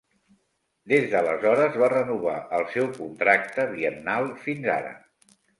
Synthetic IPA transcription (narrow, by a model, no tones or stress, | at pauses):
d̪ezðələ̰zɔɾəzβarənuβa̰ʔəlˠsɛwkunt̪ɾak̚t̪əβ̞iənnalˠfinza̰ɾə̰